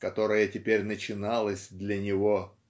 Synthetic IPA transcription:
kɐt̪o̞ɾəjətʲɪpʲeɾʲnət͡ɕɪnɑlˠəsʲd̪lʲənʲɪvo

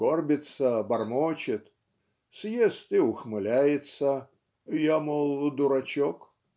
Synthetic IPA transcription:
ɡorbʲɪt̪səbɐrmot͡ɕɪt̪ | sjest̪iʊxmɨlʲæjɪt̪sə | jamolˠd̪ʊɾɐt͡ɕok

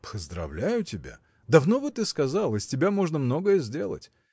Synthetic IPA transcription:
pʰəzd̪ɾɐ̰vlʲæjʊtʲɪbʲa̰ | d̪ɐvno̞vɨt̪ɨskɐzɑlˠəsʲtʲɪbʲamo̞ʐnəmnoɡəjəzʲdʲe̞lˠə̰tʲ

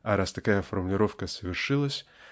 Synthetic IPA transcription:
ɐɾast̪ɐkajəfərmʊlʲɪɾo̞fkəsəvʲɪrʂɨlˠəsʲ

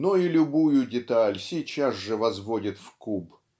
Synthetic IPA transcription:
noilʲʊbujʊdʲɪt̪alʲsʲɪt͡ɕazʐɨvɐzvodʲɪt̪fkub

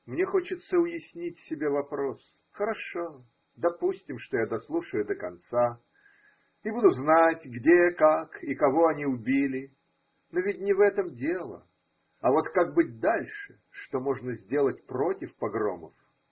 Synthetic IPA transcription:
mnʲe̞xo̞t͡ɕɪt̪səʊjɪsʲnʲitʲsʲɪbʲe̞vɐpɾo̞s | xəɾɐʂo̞ | d̪ɐpusʲtʲɪmʂt̪o̞jad̪ɐslˠuʂəjʊd̪əkɐ̰nt̪sa | ibud̪ʊznatʲɡdʲekakikɐvo̞ɐnʲiʊbʲilʲɪ | novʲɪt̚ʲnʲɪvɛt̪əmdʲe̞lˠə̰ | ɐvo̞t̪kaɡ̚bɨt̚ʲd̪alʲʂɨ | ʂt̪o̞mo̞ʐnəzʲdʲe̞lˠətʲpɾo̞tʲɪfpɐɡɾo̰mə̰f

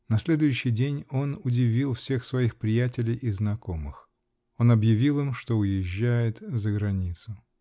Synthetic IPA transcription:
nɐsʲlʲe̞d̪ʊjʉɕːɪjdʲenʲo̞nʊdʲɪvʲilˠfsʲe̞xsvɐixpɾʲɪjætʲɪlʲɪjʔɪznɐko̞mɨx | o̞nɐbjɪvʲilˠɨmʂt̪o̞ʊjɪʑːæjɪt̪zəɡɾɐnʲit̪sʊ

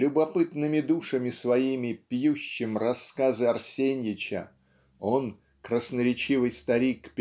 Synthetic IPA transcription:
lʲʊbɐpɨt̪nɨmʲɪd̪uʂəmʲɪsvɐimʲɪpʲjuɕːɪmrɐskazɨɐrsʲenʲjɪt͡ɕə̰ | o̞n | kɾəsnəɾʲɪt͡ɕivɨjst̪ɐɾʲikpʲ

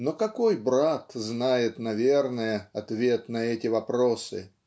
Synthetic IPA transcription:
nokɐko̞jbɾat̪znajɪt̪nɐvʲe̞rnəjəɐt̪vʲe̞t̪nɐɛtʲɪvɐpɾo̞sɨ̰

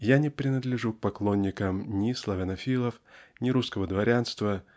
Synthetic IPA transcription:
janʲɪpɾʲɪnəd̪lʲɪʐuk̚pɐklˠo̞nʲːɪkəmnʲɪslˠɐvʲɐnɐfʲilˠəfnʲɪɾuskəvəd̪vɐɾʲanst̪və

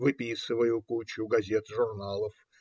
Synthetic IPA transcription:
vɨpʲisɨvəjʊkut͡ɕʊɡɐzʲet̪ʐʊrnalˠəf

